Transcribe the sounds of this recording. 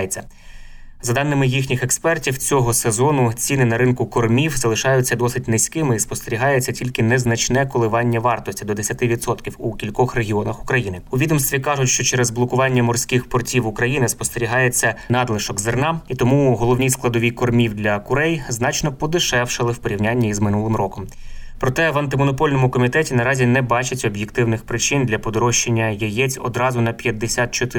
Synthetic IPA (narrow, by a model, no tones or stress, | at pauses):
jet͡sʲːɐ | zɐd̪ɑnːɪmɪjixnʲixekspɛrtʲiwt͡sʲɔɦɔsezɔnʊt͡sʲinɪnɐɾɪnkʊkɔrmʲiwzɐlˠɪʃɑjʊt͡sʲːɐd̪ɔsɪt̚ʲnɪsʲkɪmɪispɔst̪eɾʲiɦɑjet͡sʲːɐtʲilʲkɪnɛznɐt͡ʃnɛkɔlˠɪʋɑnʲːɐʋɑrt̪ɔsʲtʲid̪ɔd̪esʲɐt̪ɪʋʲid̪sɔt̪kʲiwukʲilʲkɔxreɦʲiɔnɐxʊkɾɐjinɪʊʋʲid̪ɔmst̪ʋʲikɑʒʊtʲʃt͡ʃɔt͡ʃɛɾɛzblˠɔkʊʋɑnʲːɐmɔrsʲkɪxpɔrtʲiwʊkɾɐjinɪspɔst̪eɾʲiɦɑjet͡sʲːɐnɑd̪lˠɪʃɔɡzernɑit̪ɔmuɦɔlˠɔwnʲisklˠɐd̪ɔʋʲikɔrmʲiwd̪lʲɐkʊɾɛjznɑt͡ʃnɔpɔd̪ɪʃɛwʃɪlˠɪwpɔɾʲiwnʲanʲːɐizmɪnulˠɪmrɔkɔm | pɾɔt̪ɛʋɐnt̪ɪmɔnɔpɔlʲnɔmʊkɔmʲit̪ɛtʲinɐɾɑzʲinɛbɑt͡ʃɪtʲɔbjekt̪ɪwnɪxpɾɪt͡ʃɪnd̪lʲɐpɔd̪ɔɾɔʃt͡ʃːenʲːɐjɐjɛt͡sʲɔ̰d̪ɾɑzʊnɐpʲjɐd̪ːesʲat̪̚t͡ʃɔt̪ɪ